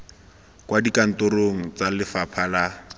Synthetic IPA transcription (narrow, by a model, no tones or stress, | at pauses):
kwadikan̩toɾoŋ̩t͡salɪfapʰala